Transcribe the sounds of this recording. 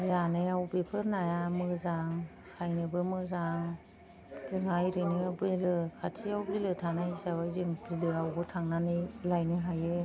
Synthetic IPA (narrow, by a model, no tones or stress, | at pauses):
zanɯjawbepʰɯɾnajamɯzaŋ | sajnɯbɯmɯzaŋ | zɯŋajɾɯnɯabɯlɯkʰatʰiawbilɯtʰaŋnaisabajzɯŋbilɯawbɯtʰaŋnanɯjlajnɯɦajɯ